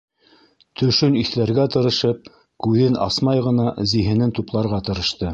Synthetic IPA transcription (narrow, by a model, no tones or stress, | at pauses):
t̪ʰɵ̆ʃɵniθlæɾɡæt̪ɤ̆ɾɤ̆ʃɤp̚ | kʉðɘnɑ̰smɑjʁɤ̆nɑziɦɘ̆nɘnt̪uplˠɑɾʁɑt̪ɤ̆ɾɤ̆ʃt̪ɤ